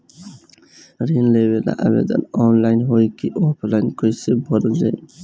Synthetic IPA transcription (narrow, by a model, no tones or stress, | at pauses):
ɾinlebela̰ʔəbḛd̪ʌ̰nɔnlajnɦojkiʔopʰlajnkʌjsebʱʌɾd͡ʒa̰